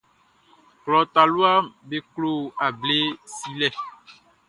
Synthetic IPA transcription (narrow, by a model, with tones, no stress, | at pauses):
klɔ˨t̪a˨lu˦a˦be˨klo˨a˨ble˦si˦lɛ˦